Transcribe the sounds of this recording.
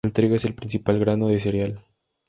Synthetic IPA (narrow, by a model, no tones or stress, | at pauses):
lt̪ɾiɣeselpɾinsipalɣɾanoðes̬eɾjal